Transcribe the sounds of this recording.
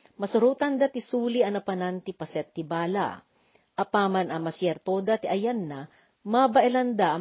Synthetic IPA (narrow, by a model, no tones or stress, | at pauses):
mɐsʊɾuːt̪ɐnd̪at̪ɪsuːliɐnɐpɐnant̪ɪpɐsɛt̪ːɪbaːla̰ | ʔɐpaːmɐnɐmɐsjɛɾt̪od̪at̪ɪʔɐjanːa | mabɐʔɛlɐnd̪aʔɐ